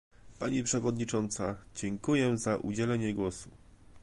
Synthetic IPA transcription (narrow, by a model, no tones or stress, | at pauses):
paɲipʂɛvɔd̪ɲit͡ʂɔnt̪sad͡ʑɛŋkujɛzaʔṵd͡ʑɛlɛɲɛɡwɔsu